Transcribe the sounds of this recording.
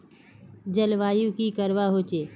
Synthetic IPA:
d͡ʒəlʋaːjũkikəɾʋaɦoːt͡ʃeː

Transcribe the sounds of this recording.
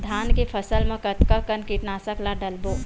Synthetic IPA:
d̪ʱaːnkepʰəsəlmẽkət̪kəkənkiʈnasəklaɖəlbo

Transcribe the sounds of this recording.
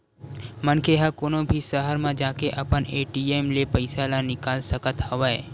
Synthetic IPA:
mənkʰeɦakoːnõbʱisəɦəɾmãd͡ʒaːkeʔɐpəneːʈieːmlepɐɪsalanɪkaːlsəkət̪həʋae

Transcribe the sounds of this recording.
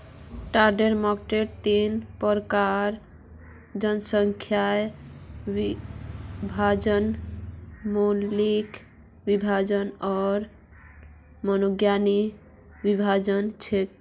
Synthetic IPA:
ʈaɾɖeɾmɔkʈeɾt̪inpəɾkaɾ | d͡ʒənsəŋkʰjae | i | bʱad͡ʒən | mollik | bibʱad͡ʒənɔɾ | mənoɡjani | bibʱad͡ʒənt͡ʃʰe

